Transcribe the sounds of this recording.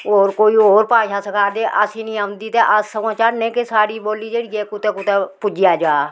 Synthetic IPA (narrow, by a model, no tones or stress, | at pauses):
oːɾkoːioːɾpãːʃaːsəkʰaːd̪eʔəsinĩand̪it̪eʔəssəmaːt͡ʃaːɾnẽkesaːɽiːboːlid͡ʒeɽjeːkʊt̪eːkʊt̪epʊd͡ʒɪjaːd͡ʒaː